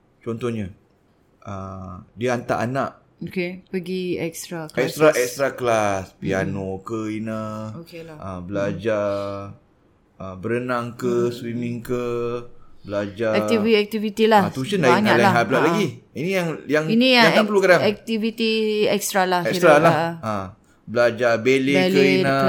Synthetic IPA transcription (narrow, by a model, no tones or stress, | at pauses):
t͡ʃɔnt̪ɔhɲə | ʔədiəant̪a̰ʔanaʔ | okepəɡiɛkst̪ɾakɛkst̪ɾaʔɛkst̪ɾaklaspia̰nokəinəokelaəbəlad͡ʒa | əbəɾənaŋkəswimiŋkə | bəlad͡ʒaɛt̪iviɛk̚t̪ivit̪ilaht̪uʃəndajiɲalaaɦap̚laʔlaɡiinijaŋjaŋinijaaapəlukadaŋɛk̚t̪ivit̪iɛkst̪ɾalahɛk̪ɾalaʔa | bəlad͡ʒabelekəinə